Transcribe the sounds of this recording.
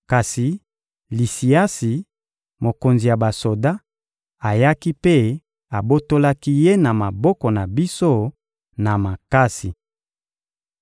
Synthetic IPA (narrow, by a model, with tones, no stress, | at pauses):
ka˨si˨ | li˨si˨a˦si˨ | mo˨ko˨nzi˨ja˨ba˨so˨da˦ | a˨ja˦ki˦pe˦ | a˨bo˦to˦la˦ki˦je˦na˨ma˨bɔ˦kɔ˨na˨bi˦so˦ | na˨ma˨ka˦si˨